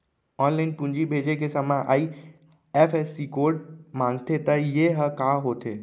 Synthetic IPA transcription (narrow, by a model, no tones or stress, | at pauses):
ɔːnlaɪnpũɲd͡ʒibʱed͡ʒekesəmãʔa̰ːi | epʰesːikoːɾɖmãːŋɡt̪et̪əjeɦəkaɦoːt̪e